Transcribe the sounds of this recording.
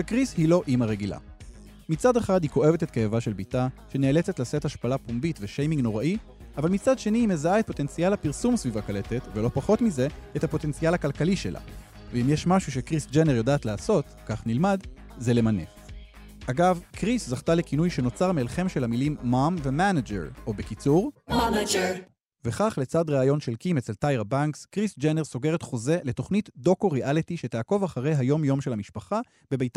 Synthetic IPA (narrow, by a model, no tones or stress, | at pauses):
vekʁishilo̞ʔimaʁe̞ɡila̰ | mit͡sade̞χadhiko̞e̞vete̞t̪kejavaʃe̞lbitaʃe̞neːle̞t͡se̞tlasethaʃpalapumbitveʃejmiŋɡno̞ʁaʔi | avalmit͡sadʃe̞niːmezaaet̚po̞t̪ent͡sijalapiʁsumsvivakale̞tet̪velo̞paχo̞tmize̞ethapo̞t̪e̞nt͡sialhakalkaliʃe̞̰lʔa̰ | veimjeʃmaʃuʃ̬e̞kʁisd͡ʒeneʁjo̞daːtlaːso̞t | kaχnilmad | zelemane̞̰ | ʔaɡavkʁiszaχtale̞kinujʃe̞no̞t͡saʁmelχe̞mʃe̞lamilimːamve̞manad͡ʒḛʁʔo̞bekit͡suʁd͡ʒ | ve̞χaχle̞t͡sadʁeajo̞nʃe̞lkimet͡seltajʁabaŋkskʁisd͡ʒeneʁso̞ɡe̞ʁetχo̞ze̞le̞to̞χnitdo̞ko̞ʁeʔalitiʃe̞taːko̞vaχaʁe̞jajo̞mjo̞mʃe̞lamiʃpaχa | b̥e̞bejta